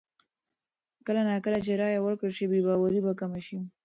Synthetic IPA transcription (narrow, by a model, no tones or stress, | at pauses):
kəlanakəlat͡ʃeɾɑjawəɾkəɾʃibebɑwaɾibakamaʃi